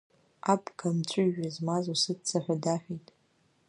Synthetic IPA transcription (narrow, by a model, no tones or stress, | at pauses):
apʰʼɡʰamt͡ʃʷʼʊʒᶣazmazosɨdt͡sʰaħʷᶣadaħʷᶣitʼ